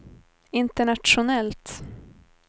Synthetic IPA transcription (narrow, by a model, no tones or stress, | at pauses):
ɪnt̪əɳat̪ʂʊnɛlt̪